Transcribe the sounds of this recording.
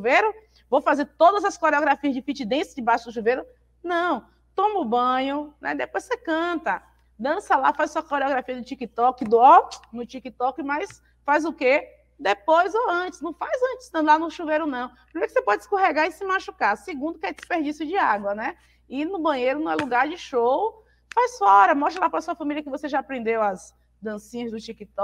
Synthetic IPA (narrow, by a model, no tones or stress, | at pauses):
ʃuvejɾʊ | vowfazeɾt̪od̪ɐzɐskoɾeoɡɾafiɐzd͡ʒɪfit͡ʃɪd̪ẽsɪd͡ʒɪbaʃʊd̪ʊʃuvejɾʊ | nɐ̃w̃ | t̪õmʊbɐ̃ɲʊnɛ̰d̪epojsekɐ̃t̪ɐ | d̪ɐ̃sɐlafajzssuɐkoɾeoɡɾafiɐd̪ʊt͡ʃikɪt̪ɔkɪd̪ʊɔnʊt͡ʃikit̪ɔkɪmajs | fajzʊke | d̪epojzoɐ̃t͡ʃɪsnɐ̃w̃fajzɐ̃t͡ʃɪ̥st̪ɐ̃d̪lanʊʃuvejɾonɐ̃w̃pɾimeɾkɪsepɔd͡ʒskoɦeɡaɪsɪmaʃukasɪɡũd̪ʊkɛd͡ʒɪspeɾd͡ʒisjʊd͡ʒɪaɡwɐnɛ | ɪnʊbɐ̃ɲejɾʊnɐ̃ɛluɡaɾd͡ʒɪʃow | fajssuɐɔɾɐmɔsʃt̪ɾɐlapɾɐsuɐfɐ̃miljɐkɪvoseʒaːpɾẽnd̪ewɐz | d̪ɐ̃sĩɲɐzd̪ʊt͡ʃikit̪ɔ